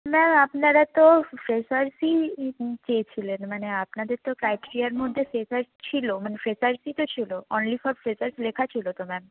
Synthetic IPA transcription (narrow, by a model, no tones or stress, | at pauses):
mɛmapnaɾat̪ofɾesaɾsit͡ɕet͡ɕʰilenmaneapnad̪eɾt̪okɾajʈiɾiaɾmod̪ʱːefɾesaɾst͡ɕʰilomanefɾesaɾsit̪ot͡ɕʰiloonlifɔɾfɾesaɾslekʰat͡ɕʰilot̪omɛm